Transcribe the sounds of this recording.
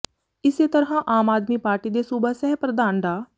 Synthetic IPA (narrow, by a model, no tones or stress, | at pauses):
ɪseːt̪əɾɦãːʔaːmaːd̪miːpaːɾʈiːd̪eːsuːbəsɛɦpɾəd̪aːnɖaː